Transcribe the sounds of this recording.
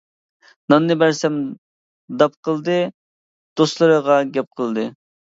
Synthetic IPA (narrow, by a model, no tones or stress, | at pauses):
nɑnːɨbæɾsɛm | d̪ɑp̚qəlˠd̪ɨ | d̪̥ost̪lˠəɾəʁɑɡʲɛp̚qʰəlˠd̪ɨ